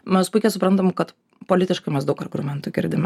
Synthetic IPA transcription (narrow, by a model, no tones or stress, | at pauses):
mʲɛspʊɪkʲɛsʊpɾɐnt̪ɐmkɐt̪ | poːlʲɪt̪ʲɪʃkɐɪmʲɛsd̪ɐʊkɐɾʲɡɾʊmʲɛnt̪uːɡʲɪ̰ɾʲd̪ʲɪmʲ